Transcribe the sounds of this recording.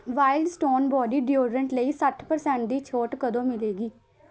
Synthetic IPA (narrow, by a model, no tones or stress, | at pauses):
ʋaːɪlɖsʈoːnbɔːɖiːɖjoːɾəɳʈləiːsəʈʰpəɾsɛ̃ːɳʈ̚d̪iːt͡ʃʰoːʈkəd̪õːmɪleːɡiː